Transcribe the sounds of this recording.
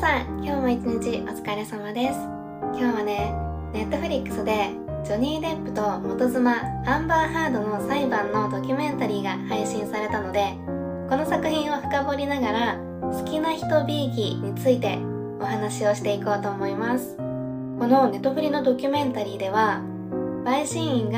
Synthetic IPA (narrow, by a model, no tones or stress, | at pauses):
sãŋkʲo̞ːmait͡ɕiɲ̟it͡ɕiʔot͡sɨ̥kaɾe̞samad̪e̞sɨ̥ | kʲo̞ːβane̞ | ne̞t̪ːo̞ɸɯ̟ɾʲikːɯ̟̥sɨd̪e̞ | d͡ʑo̞ɲ̟iːd̪e̞pːɯ̟̥t̪o̞mo̞t̪o̞zɨmaãmbaːhaːd̪o̞no̞saibãnːo̞d̪o̞kʲɯmẽ̞nt̪aɾʲiːɡahaiɕĩɰ̃saɾe̞t̪ano̞d̪e̞ | ko̞no̞sakɯ̟çʲĩɰ̃o̞ɸɯ̟̥kabo̞ɾʲinaɡaɾa | sɨ̥kʲinaçi̥t̪o̞bʲiːkʲiɲ̟it͡sɨit̪e̞ | o̞ɦanaɕio̞ɕi̥t̪e̞iko̞ːt̪o̞ːmo̞imasɨ̥ | ko̞no̞ne̞t̪ːo̞ɸɯ̟ɾʲino̞d̪o̞kʲɯmẽ̞nt̪aɾʲiːd̪e̞β̞a | baiɕĩɰ̃ĩŋɡ